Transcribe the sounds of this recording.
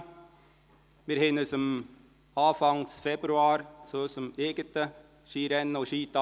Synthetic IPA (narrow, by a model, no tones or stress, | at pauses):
mɪːɾhɪnəsʊm | ɑːfɑŋsfɛbɾʉɑːɾsosʊmeːɡət̪ə | ʃiːɾɛnːəoʃiːt̪ɑ